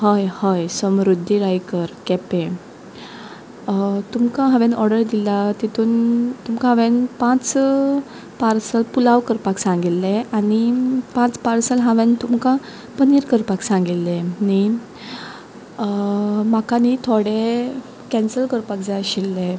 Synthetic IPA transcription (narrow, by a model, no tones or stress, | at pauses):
həjhəjsəmɾud̪ʱːiɾajkəɾkɛpe | t̪umkãɦaʋẽnɔɾɖəɾd̪ilat̪it̪ʰuːnt̪umkaɦə̃ʋẽnpãt͡s | paɾsəlpulaʋkəɾpaksãŋɡilːeanipãt͡spaɾsəlɦãʋẽnt̪umkã | pəniɾkəɾpaksãŋɡilːeni | makanit̪ʰoɽe | kɛnsəlkəɾpakd͡zaɕilːe